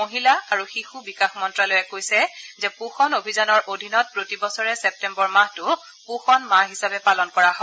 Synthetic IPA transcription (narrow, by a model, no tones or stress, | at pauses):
oɦilaaɹuxixubikaxmɔntɹalɔjɛkojsɛzɛpuxɔnobʱizanɔɹʔodʱinɔt̚pɹotibɔsɔɹɛsɛp̚tɛmbɔɹmaɦtʊ | pʊxɔnmaɦisabɛpalɔnkɔɹaɦɔ